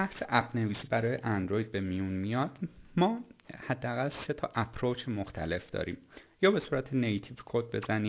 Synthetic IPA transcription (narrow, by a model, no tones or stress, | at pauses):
bæhseʔæpʰne̞viːsiːbæɾɒːjeʔænd̪ɾojd̪̚be̞mijunmijɒːd̪̥mɒːhæd̪ːeæɣælse̞t̪ʰɒːʔæpʰɾot͡ʃʰemoxt̪ʰæ̰le̞fd̪ɒ̰ːɾḭːmjɒːbe̞suːɾæt̪ʰenejt̪ʰivkʰod̪̚be̞̰zæniː